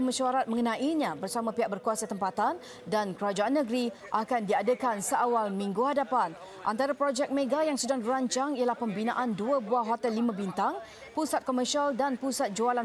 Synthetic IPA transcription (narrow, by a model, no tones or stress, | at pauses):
məʃuaɾat̪̚məŋənãʔiɲãbərsamãpiɦaʔ̚bərkuasat̪əmpat̪an | dankəɾad͡ʒaanːəɡɾi | ʔakandiadəkansəʔawalmĩŋɡuhadapan | ʔant̪aɾapɾod͡ʒɛk̚meɡajaŋsədaŋdiɾaɲt͡ʃaŋijəlahpəmbinãʔanduəbuaɦot̪ɛlːimãbint̪aŋ | pusat̪̚koməʃialdanpusat̪̚d͡ʒoala